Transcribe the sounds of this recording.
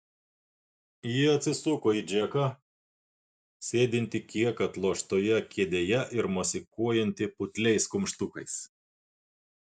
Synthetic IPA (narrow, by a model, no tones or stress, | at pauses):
jɪɐt̪ʲsʲɪsʊkoːid͡ʒʲɛkɐ | sʲeːd̪ʲɪnʲt̪ʲɪkʲiɛkɐt̪lˠoːʃt̪oːjɛkʲiɛd̪ʲeːjɛʔɪɾmɔsʲɪkuɔjɛnʲt̪ʲɪpʊt̪ʲlʲɛɪskʊmʃt̪ʊkɐɪs